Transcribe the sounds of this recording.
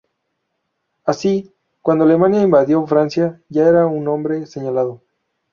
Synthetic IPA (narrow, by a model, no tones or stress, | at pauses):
asi | kwand̪oale̞mãnjaimbaðjo̞fɾansjaʝaeɾaunːõ̞mbɾe̞se̞ɲalaðo